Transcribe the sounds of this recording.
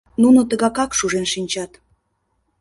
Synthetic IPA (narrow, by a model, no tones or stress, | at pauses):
nunot̪əɣɑkɑkʃuʒenʃinʲt͡ɕɑt̪